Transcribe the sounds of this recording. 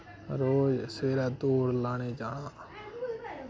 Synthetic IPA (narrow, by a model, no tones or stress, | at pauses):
ɾoːd͡ʒseːɾɛːd̪oːɾlaːɳeːd͡ʒaːnãː